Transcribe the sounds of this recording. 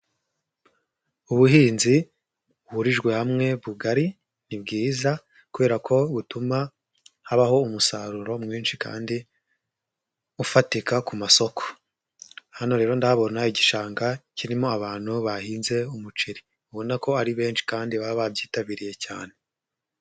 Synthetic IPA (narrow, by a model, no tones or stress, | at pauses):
uβuɦiːnzi | uhuɾiʒɡwe̞hamŋe̞βuɡaɾi | nibɡiːza | kuβe̞ɾakʰo̞βutuma | haβaho̞umusaɾuɾo̞mŋiːnʃika̰ːndi | ufatikakumaso̞kʰo̥ | hano̞ɾe̞ːɾo̞ndaβo̞najiɟiʃaːŋɡaciɾimo̞aβaːn̥huβahiːnze̞umut͡ʃiɾi | uβo̞nako̞aɾiβe̞ːnʃi̥kaːndiβaβabjiːtaβiɾije̞ca̰ːne̞